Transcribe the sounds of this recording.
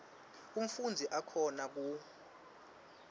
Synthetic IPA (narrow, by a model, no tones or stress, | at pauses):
um̩fund͡zʱiʔakʰɔnak̬u